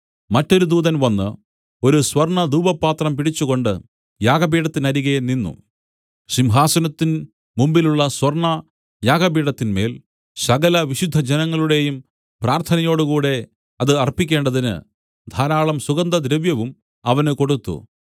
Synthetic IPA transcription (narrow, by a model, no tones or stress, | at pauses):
mɐtːo̞ɾud̪uːðɐnʋɐnːɨ̰ | o̞ɾuswɐrɳɐd̪uːbɐpːaːt̪rɐmpiɽit͡ɕːuɣo̞ɳɖɨ̰ | jaːɡɐbiːɽɐt̪ːinɐɾiɣɐninːṵ | ɕimɦaːsɐnɐt̪ːin | mumbiluɭːɐswɐrɳɐ | jaːɡɐbiːɽɐt̪ːinme̞ːl | sɐɣɐlɐʋiɕud̪ʱːɐd͡ʑenɐŋːɐɭuɽe̞jum | praːrt̪ʰɐnɐjo̞ːɽukuːɽe̞ | ɐðɨɐrpːikʲːe̞ːɳɖɐðinɨ̰ | d̪ʱaːɾaːɭɐmsuɡɐnd̪ɐd̪ɾɐʋjɐʋum | ɐʋɐnɨko̞ɽut̪ːṵ